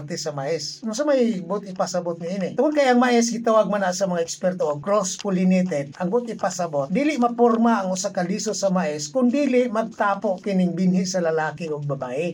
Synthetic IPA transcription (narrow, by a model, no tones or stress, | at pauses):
ɡ̚t̪ɛsɐmaʔɛsnʊŋs̬ɐmajbʊt̪ɪpɐsɐbot̪̚nɪinɪt̪ʊŋod̪kɐjɐŋmaʔɛs̬ɡɪt̪ɐwaɡ̚manasɐmɐŋaʔɛkspɛɾt̪oʔokɾospʊlɪnɛt̪ɛd̪̚ʔɐŋbʊt̪ɪpɐsɐbot̪̚d̪iːlɪʔmɐpoɾmaʔɐŋʊsakɐliːsosɐmaʔɪskʊnd̪iːlɪʔmɐɡ̚t̪aːpoʔkɪnɪŋbɪnhɪsɐlɐlaːkɪoɡ̚bɐbaːʔɪ